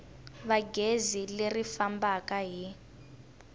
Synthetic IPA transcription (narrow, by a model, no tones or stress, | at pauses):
βaɡezilerifambakaɦi